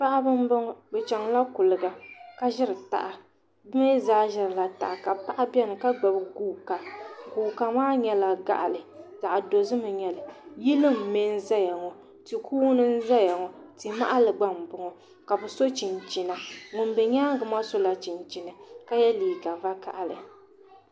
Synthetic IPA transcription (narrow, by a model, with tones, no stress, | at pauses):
pa˦ʔa˦bɨ˦m˦bɨ˦ŋ˦bɛ˨t͡ʃɛ˨ŋla˦kʊ˨lɨ˨ɡa˨ka˦ʒɪ˦ɾɨ˨ta̰˨ʔa˨ | bɨ˦me˦zaː˦ʒɪ˦ɾɨ˨la˨ta̰˨ʔa˨ka˨pa˦ʔa˦bʲɛ˦nɨ˨ka˦ɡ͡ba˨bɡuː˦ka˨ɡuː˨ka˨maː˦ɲɛ˦la˨ɡa̰˨ʔa̰˨lɨ˨za˨ʔa˨do˨zɨ˦mɨ˨ɲɛ˨lɨ˨ji˦lɨ˦mː˨e˦n˦za˦ja˨ŋɔ˨ | ti˨kʰuː˦nɨ˦n̩˦za˦ja˨ŋɔ˨ | tɨ˨ma̰˦ʔa˦lɨ˨ɡ͡ba˦m˨bʊ˨ŋɔ˨ | ka˨bɛ˨so˦t͡ʃi˨nt͡ʃi˨na˨ŋʊ˨n˦bɛ˨ɲa˦ŋ˦ɡɨ˨ma˦so˦la˨t͡ʃi˨nt͡ʃi˨nɨ˨ka˦jɛ˦liː˨ɡa˨va˦ka̰˨ʔa˨lɨ˨